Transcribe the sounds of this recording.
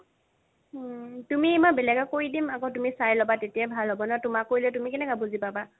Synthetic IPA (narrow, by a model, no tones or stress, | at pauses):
tumiɛmabɛlɛɡakoɹidimakotumisajlɔbatetijabʱalɦɔbɔnɔtʊmakːoɹilɛtumikɛnɛkabuzipaba